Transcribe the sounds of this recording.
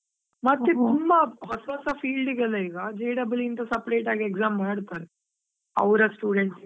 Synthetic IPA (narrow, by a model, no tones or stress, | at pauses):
mɐt̪ːet̪umbɐʋɐsʋɐːsɐpʰiːlɖiɡɐlːɐiːɡɐd͡ʒeːɖɐbɐlint̪ɐsɐpɾeːʈaːɡiekzaːmːaːɽt̪aːɾe | ɐ̰ʋɾɐsʈjuːɽeɳʈs